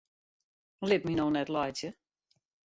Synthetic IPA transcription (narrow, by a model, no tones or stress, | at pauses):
lɪp̚minoːnɛtlɔjtjə